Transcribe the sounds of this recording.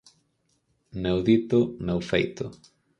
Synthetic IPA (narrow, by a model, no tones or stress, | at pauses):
newðit̪ʊnewfejt̪ʊ̰